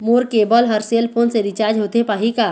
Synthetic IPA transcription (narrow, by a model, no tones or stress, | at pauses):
moːɾkeːbəlɦəɾseəlpʰoːnseɾit͡ʃaːɾd͡ʒɦoːt̪epaːɦikaː